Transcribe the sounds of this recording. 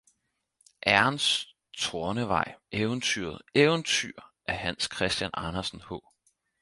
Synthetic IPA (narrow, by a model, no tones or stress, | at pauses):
ʔæɐɐns | t͡sʰo̝ːɐnəʋɑ̈ɪ̰eʊnt͡sʰy̰ːɐð̩ˠeːʊnt͡sʰy̰ɐʔæɐhænskʰʁɛsd̥jænɑ̈nɐsn̩hɔ̰ː